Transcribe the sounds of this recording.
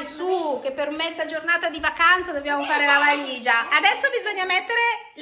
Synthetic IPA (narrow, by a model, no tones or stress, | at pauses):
suk̟epːeɾumːɛd̪zad͡ʒornaːt̪ad̪ivakant̪sad̪objaːmofaːɾelavaliːd͡ʒaad̪ɛsːobizoɲːamɛt̪ːeɾe